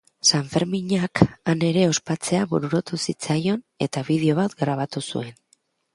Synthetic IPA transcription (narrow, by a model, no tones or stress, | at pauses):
saɱfe̞ɾmiɲakane̞ɾe̞o̞spat͡se̞aβuɾuɾot̪usit͡sajo̞n | e̞t̪aβið̞eo̞βat̪ɡɾaβ̞at̪usṵe̞n